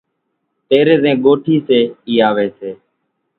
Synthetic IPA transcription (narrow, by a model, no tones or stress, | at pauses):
p̪eːɾeːzẽːɡoːʈʰiːseːiːaːʋeːseː